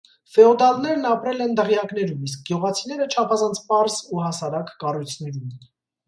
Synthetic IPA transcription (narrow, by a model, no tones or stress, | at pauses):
fɛɔd̪ɑlnɛɾnɑpɾɛlɛnd̪əʁjɑknɛɾumis̬k̚ɡjuʁɑt͡sʰinɛɾət͡ʃʰɑpʰɑzɑnt͡sʰpɑɾzuɦɑsɑɾɑkːɑrujt͡sʰn̪ɛɾum